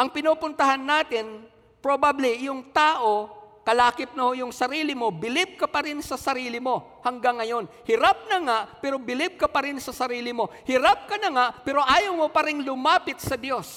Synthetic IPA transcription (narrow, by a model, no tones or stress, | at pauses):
ʔɐŋpɪnopʊnt̪ɐhanːaːt̪ɪn | pɾobablijʊŋt̪aːʔo̞kɐlaːkɪp̚nɐhojʊŋsɐɾiːlɪmo̞bɪlɪb̚kɐpɐɾɪnsɐsɐɾiːlɪmo̞ | hɐŋɡaŋːɐjo̞n | hɪɾap̚nɐŋaʔpɛːɾo̞bɪlɪb̚kɐpɐɾɪnsɐsɐɾiːlɪmo̞hɪɾap̚kɐnɐŋaʔpɛːɾo̞ʔaːjɐwmopɐɾɪŋlʊmaːpɪt̪̚sɐd̪jo̞s